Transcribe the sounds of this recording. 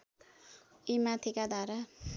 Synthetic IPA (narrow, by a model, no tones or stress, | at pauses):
imat̪ʰikad̪aɾa